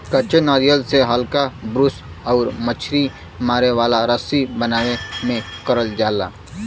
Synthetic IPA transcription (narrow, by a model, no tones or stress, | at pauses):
kət͡ʃenaːɾijəlseɦɐlkabɾʊs | ɔːɾmət͡ʃʰɾi | maːɾeʋaːlaɾəsibənaːnemẽkəɾəld͡ʒaːla̰ː